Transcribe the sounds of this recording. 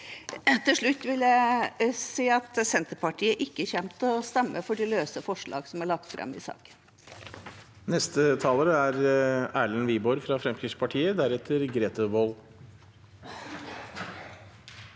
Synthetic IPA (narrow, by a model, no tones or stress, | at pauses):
t̪ʰɪlʂɭʉt̪ːʋɪljæɪsiːɑt̪sɛnt̪əpɑʈiːəʔɪkːəçɛmt̪ɔst̪ɛmːəfɔɖɪløːsəfɔʂɭɑ̰ːɡsɔmæɭɑk̚t̪fɾɑ̰mɪ̰sɑ̰ːkə̥n | nɛst̪ət̪ʰɑːləɾəæɾæːɭənʋiːbɔɾfɾɑfɾɛmkʰɪʂpʰɑʈʰiːəd̪æɾɛt̪ʰəɾɡɾeːt̪əboːl